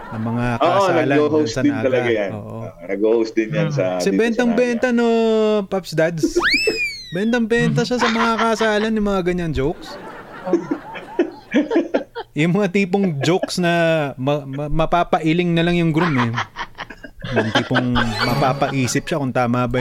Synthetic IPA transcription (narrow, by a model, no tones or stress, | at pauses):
sɐmɐŋakɐoːʔsoanɐlɐohowssɐnɪaːɡ̪ɐlɐɡajaʔo̰ːʔo̰ | nɐɡohowsd̪ɪnjansɐsɛbɛnt̪ɐŋbɛnt̪ɐnopɐpsd̪ad̪s | bɛnt̪ɐŋbɛnt̪̬ɐsasɐmɐŋakɐʔsaːlɐnjʊŋmɐŋaɡɐɲːaŋd͡ʒowks | jʊŋmɐŋat̪iːpoŋd͡ʒowksnɐmɐmɐpaːpɐʔɪlɪŋnɐlaŋjʊŋɡɾumɛ | jʊŋt̪iːpoŋmɐpaːpɐʔiːsɪp̚ʃakʊŋt̪aːmabɐ